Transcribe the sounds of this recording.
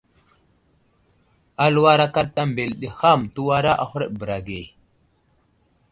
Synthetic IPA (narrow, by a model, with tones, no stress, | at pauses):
a˦lu˦wa˦ɾa˦ka˦ɗta˦mbe˨lɗi˨ha˦˨mtu˦wa˦ɾa˦ʔa˦hu˦ɾə˦ɗbə˨ɾa˨ɡe˨